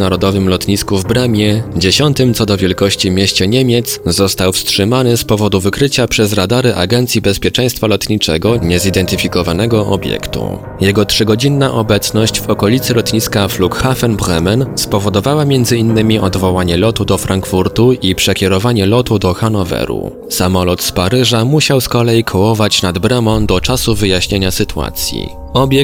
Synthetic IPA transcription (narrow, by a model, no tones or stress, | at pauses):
naɾɔd̪ɔvɘmlɔt̪ɲiskuvbɾɛmʲjɛd͡ʑeɕɔnt̪ɘmt̪ɔd̪ɔvʲjɛlkɔɕt͡ɕimʲjeɕt͡ɕɛɲemʲjɛt̪szɔst̪awfstʂɘmanɘspɔvɔd̪uvɘkɾɘt͡ɕapʂɛzɾad̪aɾɘʔa̰ɡɛnt̪sʲjibɛspʲjɛt͡ʂɛ̃j̃st̪falɔt̪ɲit͡ʂɛɡɔɲɛzid̪ɛnt̪ɘfʲikɔvanɛɡɔʔɔ̰bʲjɛ̰kt̪ṵ | jɛɡɔtʂɘɡɔd͡ʑinːaʔɔbɛt̪snɔɕt͡ɕvɔkɔlʲit̪sɘlɔt̪ɲiskaflukxafɛnbɾɛmɛnspɔvɔd̪ɔvawamʲjɛnd̪zɘinːɘmʲiʔɔd̪vɔwaɲɛlɔt̪ud̪ɔfɾaŋkfuɾt̪uipʂɛkʲjɛɾɔvaɲɛlɔt̪ud̪ɔxanɔvɛ̰ɾṵ | samɔlɔt̪spaɾɘʐamuɕawskɔlɛjikʰɔwɔvat͡ɕnad̪bɾɛmɔnd̪ɔt͡ʂasuvɘjaɕɲeɲasɘt̪ua̰t̪sʲjḭ | ɔbʲjɛ